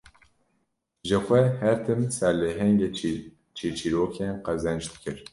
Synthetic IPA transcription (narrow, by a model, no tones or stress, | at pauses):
ʒɨxʷɛhɛɾt̪ʰɨmsɛɾleɦɛŋɡe | t͡ʃʰit͡ʃʰiːɾoːkʰeːnqɛzɛnd͡ʒb̪kʰɨɾ